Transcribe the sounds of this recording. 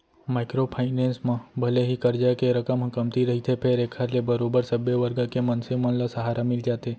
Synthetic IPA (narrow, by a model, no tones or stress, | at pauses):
maɪkɾopʰaɪnẽːnsmãbʱəleɦikəɾd͡ʒakeɾəkəmɦkəmt̪iɾəɦit̪ʰepʰeːɾekʰaɾlebəɾobəɾsəbjəʋəɾɡəkemənsemə̃nlasəɦaːɾamɪld͡ʒaːt̪e